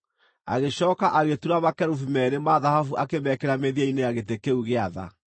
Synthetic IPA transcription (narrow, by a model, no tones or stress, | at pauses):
a̰ɣeɕɔːkaʔaɣetuɾaβakɛɾufimɛɾemaðahafuʔakemɛkeɾameðiainejaɣet̬ekeuɣeaða̰